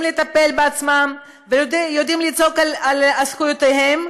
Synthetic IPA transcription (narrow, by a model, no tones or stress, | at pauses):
mlet̪ape̞lbeat͡smam | vejodijod̪imlit͡so̞kalalaskujot̪ehe̞m